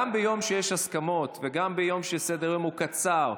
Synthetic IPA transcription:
ambejo̞mʃejeʃaskamo̞t̪veɡambejo̞mʃesed̪eʁimukat͡saʁ

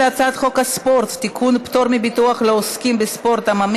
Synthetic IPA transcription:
at͡sat̪χo̞khaspo̞ɾt̪ːikʰunpto̞ɾmibituaχleoskimbespo̞ɾt̪amam

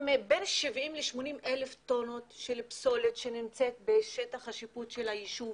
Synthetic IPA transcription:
mebenʃivimleʃmo̞nimʔeleft̪o̞no̞tʃelpso̞letʃe̞nimt͡se̞t̪̚be̞ʃetaχhaʃiputʃelajiʃuv

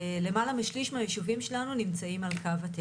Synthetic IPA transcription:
le̞malamiʃliʃmajeʃuvimʃe̞lanunimt͡saimalkavat̪e

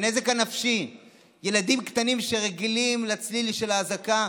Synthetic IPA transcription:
ne̞ze̞kanafʃi | je̞lad̪imkt̪animʃe̞ʁeɡilimlat͡sliliʃelaːzaka

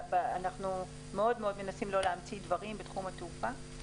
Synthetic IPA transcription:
baanaχnu | meo̞dmeo̞d̪me̞nasimlo̞leamt͡sid̪vaʁimbet̪χumat̪eufa

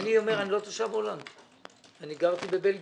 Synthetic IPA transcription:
nio̞me̞ʁanilo̞t̪oʃabolan | aniɡaʁt̪ibebelɡ

